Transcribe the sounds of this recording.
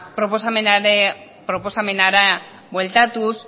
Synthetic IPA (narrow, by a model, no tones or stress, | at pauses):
pɾo̞po̞samenaɾe | pɾo̞po̞same̞naɾa | bwe̞lt̪at̪us